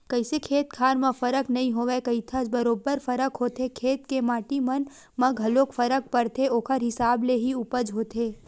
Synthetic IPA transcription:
kɐɪsekʰeːt̪kʰaːɾmɐ̃fɐɾəknɐɦĩɦoːʋekɐit̪ʰəd͡ʒbɐɾoːbəɾfɐɾəkɦoːt̪ekʰeːt̪kemaːʈimɐn | mɐ̃ɡʱɐloːkfʰəɾək̚pɐɾt̪ʰeoːkʰəɾɦɪsaːbleɦiupəd͡ʒɦoːt̪ʰeː

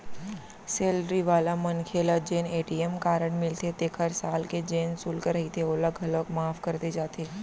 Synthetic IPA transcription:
seːlɾiʋaːlamɐnkʰeːlad͡ʒeːneːʈiemkaːɾəɽmɪlt̪ʰet̪eːkʰɦɐɾsaːlked͡ʒeːnsʊlkəɾɐɦit̪ʰeoləɡɦɐləkmaːfkɐɾt̪ed͡ʒaːt̪ʰeː

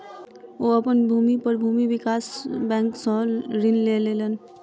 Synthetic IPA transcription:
oəpənbʱumipəɾbʱumiʋikasbɛ̃ŋksə̃ɾinlelelən

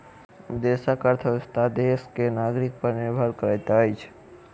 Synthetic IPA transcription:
d̪esakəɾt̪ʰəst̪ad̪eskenaːɡɾik̚pəɾnɪɾbʱəɾkəɾat̪ajt͡ʃʰ

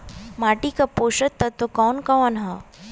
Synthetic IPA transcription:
maːʈikapoːʃət̪ːɐt̪ːokɔːnkaɐnɦa

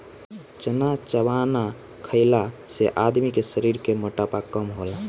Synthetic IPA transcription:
t͡ʃənat͡ʃəʋana | kʰəɪlaseʔad̪mikesəɾiɾkemoʈapakəmɦola

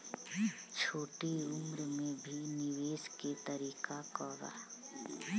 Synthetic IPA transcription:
t͡ʃʰoːʈiʊmɾmẽbʱinɪʋeːsket̪əɾiːkakɔːɡa̰ː

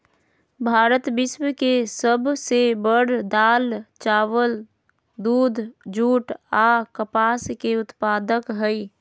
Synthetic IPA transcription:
bʱaːɾət̪bɪswəkesəbsebəɽd̪aːlt͡ʃaːʋəl | d̪uːd̪ʱd͡ʒuːʈakəpaːskeʊt̪paːd̪əkɦəi

